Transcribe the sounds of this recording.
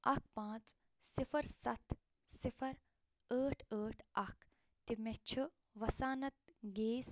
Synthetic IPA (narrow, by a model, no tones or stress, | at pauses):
ɐk̚ʰpãːt͡s | sifɐɾsɐt̪ | sifʰɐɾ | əːʈʰəːʈʰɐkʰ | t̪imet͡ʃʰu | ʋɐsaːnɐt̪̚ɡeːs